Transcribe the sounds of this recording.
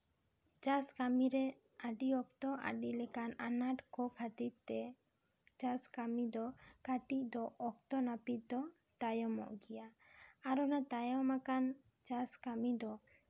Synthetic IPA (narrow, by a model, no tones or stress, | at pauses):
d͡ʒaskamiɾɛ | aɖiɔk̚t̪ɔʔa̰ɖilɛkananaʈkɔkʰat̪it̪̚t̪ɛ | d͡ʒaskamid̪ɔkaʈiʔ̚d̪ɔʔɔk̚t̪ɔnapit̪̚d̪ɔ | t̪ajɔmɔ̰ʔɡijaaɾɔnat̪ajɔmakan | d͡ʒaskamid̪ɔ